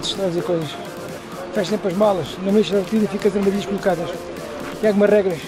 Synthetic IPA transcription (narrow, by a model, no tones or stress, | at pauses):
t̪ʃt̪ɐ̃wɐfizeɾkojzɐʃ | fɛʃt̪ẽmpɐʒmalˠɐʃnɐ̃meʃ̬ɐɐɾt̪iðɐfikɐðɐɾmɐðiðɐʃkulˠukaðɐʃ | iaɣumɐʒʁɛɣɾɐʃ